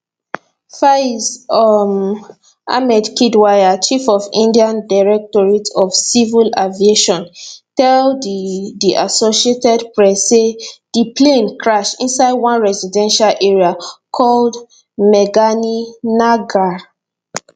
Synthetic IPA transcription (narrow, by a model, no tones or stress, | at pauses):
faizɔm | a̰mɛdkidwajat͡ʃifɔvĩndiãndaɹɛk̚tɔɹitɔvsivilavieʃɔ̃ntɛlddiʔasoʃietɛdpɹɛsːed̥ipʰlẽnkʰɹaʃḭ̃nsaɪdwãnɹɛzidɛ̃nʃalʔɛɹiakʰɔld | mɛɡaninaɡa